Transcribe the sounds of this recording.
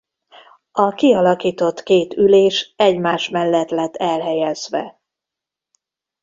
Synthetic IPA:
ɒkiɒlɒkiːt̪o̞t̪keːt̪yleːʃɛɟmaːʃmɛlːɛt̪lɛt̪ːɛlɦɛjɛz̥ʋɛ̰

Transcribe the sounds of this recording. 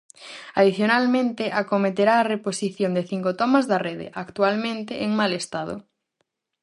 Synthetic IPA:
aðiθjonalmẽnt̪eʔakomet̪eɾaːreposiθjond̪eθiŋkot̪ɔmazðɐreðḛʔakt̪ualmẽnt̪eʔeŋmalest̪að̞ʊ̰

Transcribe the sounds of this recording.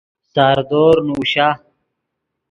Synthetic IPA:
saːɾd̪oːɾnuːɕa

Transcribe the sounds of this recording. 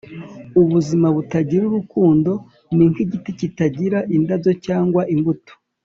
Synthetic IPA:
uβuzimaβutaɟiɾuɾukuːndo̞ | niŋkiɟiticitaɟiɾaʔindazo̞caːŋɡwaʔiŋɡuto̥

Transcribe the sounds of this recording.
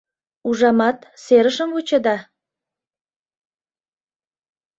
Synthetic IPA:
uʒɑmɑt̪seɾəʃə̆mvut͡ɕə̆d̪ɑ

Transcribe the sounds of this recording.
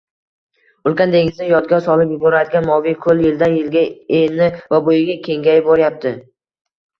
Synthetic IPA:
ʊlˠkʲand̪eŋɪznɪjɒd̪ɡʲɒsɒlˠɪpjʊbɒɾad̪ɪɡʲanmɒvijkʰɵljɪld̪ajɪlɡʲaenɪvabojɪɡʲakʲʰe̞ŋɡʲajboɾjap̚t̪ʰɪ

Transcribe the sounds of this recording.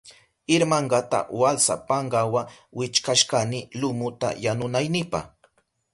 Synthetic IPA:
ɪɾmaɴɢɑt̪a̰walsa̰pɑɴɢɑwawɪt͡ʃkaʃkanɪlʊmʊt̪a̰janʊnajnɪpɑ̰χ

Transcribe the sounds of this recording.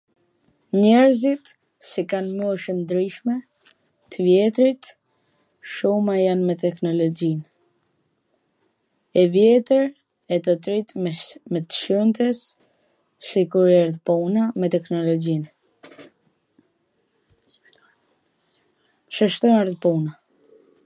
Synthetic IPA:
ɲɛɾzit̪ | sikanmuʃənd̪ɾiʃmɛ | t̪əvjɛt̪ɾit̪ | ʃumajanmɛt̪ɛknɔlɔd͡ʒin | ɛvjɛt̪əɾ | ɛt̪ət̪ɾit̪mɛt̪ə̥ʃunt̪ɛs | sikuɾɛɾðpunamɛt̪ɛknɔlɔd͡ʒin | ʃəʃt̪ɔnaɾðpuna

